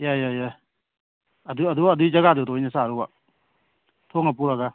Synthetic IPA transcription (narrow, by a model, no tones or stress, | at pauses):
jajaja | əd̪uəd̪uaəd̪uid͡ʒaɡad̪ut̪ɔinɛsaɾɔa | t̪ʰoŋap̬uɾaɡa